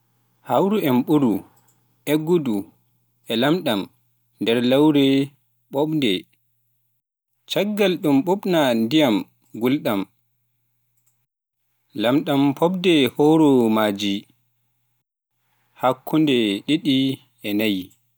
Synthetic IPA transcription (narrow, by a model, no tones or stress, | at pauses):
hawɾuɛmɓuɾu | ʔɛɡːudu | ʔɛlamɗam | ndɛɾlawɾɛ | ɓɔɓndɛ | t͡ʃaɡːalɗumɓuɓnandijam | ɡulɗam | lamɗampʰɔɓdɛhɔɾɔmaːd͡ʒi | hakʰːundɛɗiɗi | ɛnaji